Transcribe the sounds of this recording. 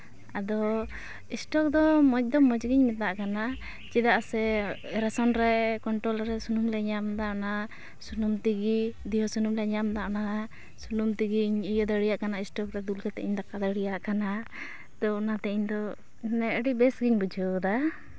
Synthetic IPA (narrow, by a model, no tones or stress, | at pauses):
ad̪ɔ | isʈɔk̚d̪ɔmɔc̚d̪ɔmɔd͡ʒɡiɲmɛt̪aʔkana | t͡ʃid̪aʔsɛɾɛsɔnɾɛkɔɳʈɾɔlɾɛsunumlɛɲamd̪aʔɔna | sunumt̪iɡid̪ijɔsunumlɛɲamd̪aʔɔna | sunumt̪iɡiɲijɔd̪əɽijaʔkanaisʈɔkɾɛd̪ulkat̪ɛ̰ʔiɲd̪ɔkad̪əɽijaʔkana | t̪ɔnat̪ɛʔiɲd̪ɔ | nɛʔɖibɛsɡiɲbud͡ʒʱɔd̪a